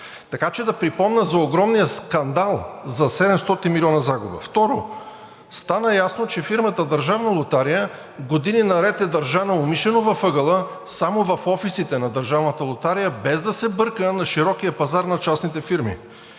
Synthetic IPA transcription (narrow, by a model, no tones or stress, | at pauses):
t̪ɐkat͡ʃɛd̪ɐpɾipɔmnəzɐoɡɾɔmnijəskɐnd̪alˠzɐsɛd̪ɛmst̪ɔt̪inmilʲiɔnəzaɡʊbə̰ft̪ɔɾo | st̪anəjasnot͡ʃɛfiɾmət̪əd̪ɐɾʒavnəlˠot̪aɾijə | ɡod̪ininɐɾɛt̪ɛd̪ɐɾʒanɐʊmiʃɛnovɐfɤɡəlˠə | samovɐfɔfisit̪ɛnɐd̪əɾʒavnət̪əlˠot̪aɾijəbɛzd̪ɐsɛbɤɾkənɐʃiɾɔk̟ijəpɐzaɾnɐt͡ʃasnit̪ɛfiɾmḭ